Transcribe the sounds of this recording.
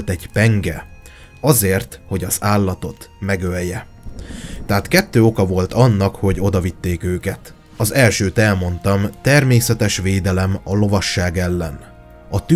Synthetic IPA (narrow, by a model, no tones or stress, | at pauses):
lt̪ɛɟpɛŋɡɛ | ɒzeːrt̪ho̞ɟɒzaːlːɒt̪o̞t̪mɛɡøljɛ | t̪ːɛɦat̪kɛt̪ːøːo̞kɒvo̞lt̪ɒnːɒkho̞ɟo̞d̪ɒvit̪ːeːkøːkɛt̪ | ɒzɛlʃøːt̪ɛlmo̞nt̪ɒmt̪ɛrmeːsɛt̪ɛʃʋeːd̪ɛlɛmɒlo̞vɒʃːaːɡɛlːɛn | ɒt̪y